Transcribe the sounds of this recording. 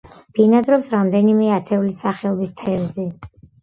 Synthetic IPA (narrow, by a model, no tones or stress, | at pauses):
b̥inad̪ɾɔpsɾamd̪ɛnimɛat̪ʰɛulisaχɛɔbist̪ʰɛɾzɛ